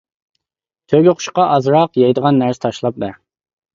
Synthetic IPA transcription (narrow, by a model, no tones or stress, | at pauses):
t̪ʰøɡʲøqʰʊ̥ʃqɑʔɑzɾɑqjɑjd̪əʁɑnːæɾsɪ̥t̪ʰɑʃlˠɑp̚d̪ɛɾ